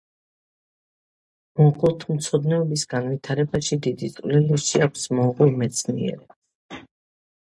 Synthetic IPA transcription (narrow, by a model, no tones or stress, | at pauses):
mɔʁult̪ʰmt̪sʰɔd̪nɛɔbisɡanvit̪ʰaɾɛbaʃid̪id̪it̪sʼvlɛliʃiakʷʰsmɔʁumɛt̪sʰniɛ̰ɾɛ